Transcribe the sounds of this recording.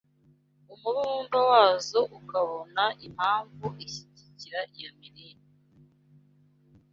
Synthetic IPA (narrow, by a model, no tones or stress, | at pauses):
umuɾuundawaːzoʔukaβo̞naʔim̥haːɱvuʔiçiɟiciɾaʔijomiɾiɾi